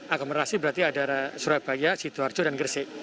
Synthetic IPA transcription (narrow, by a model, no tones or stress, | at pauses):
ʔakoməɾasibəɾart̪iadaɾasuɾab̥ajasit̪uard͡ʒodanɡərse